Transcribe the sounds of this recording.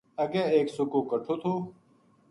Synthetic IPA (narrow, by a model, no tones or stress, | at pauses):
əɡeːeːksʊkoːkəʈʰoːt̪ʰoː